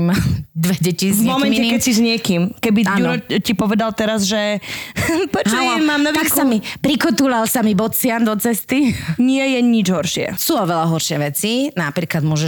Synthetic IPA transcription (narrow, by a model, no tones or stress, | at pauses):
mad̪ʋɛɟɛcivmɔmɛnɲcɛkɛcsizɲɪɛkimkɛbiauɾɔcipɔʋɛd̪alt̪ɛɾazʒɛ | pɾɛt͡ʃaɔmaːmnɔʋ̪aksamipɾikɔt̪ulalsamibɔt͡sɪand̪ɔt͡sɛst̪iɲɪɛjɛɲid͡ʒɦɔɾʃɪɛ̰suːɔʋɛlaɦɔɾʃɪɛʋɛt͡sinapɾiːklad̪mʊɔʒɛ